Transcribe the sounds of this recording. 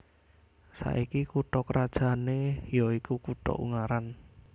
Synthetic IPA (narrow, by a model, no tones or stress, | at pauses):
sa̰ʔikikuʈɔkəɾad̥ʒ̥a̤nejoikukuʈɔ̰ʔṵŋaɾan